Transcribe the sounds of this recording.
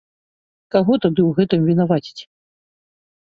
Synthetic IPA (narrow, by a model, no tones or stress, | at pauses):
kaɣɔt̪ad̪ɨwɣɛt̪ɨmvʲinavat͡sʲi̥t͡sʲ